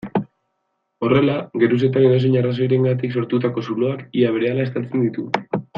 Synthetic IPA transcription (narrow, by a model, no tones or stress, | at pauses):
o̞re̞laɡe̞ɾuse̞t̪aβenos̬eɲaras̬o̞jɾe̞ŋɡat̪̬ikso̞ɾt̪ut̪ako̞sulo̞akiaβe̞ɾe̞alaest̪alt͡se̞nd̪it̪u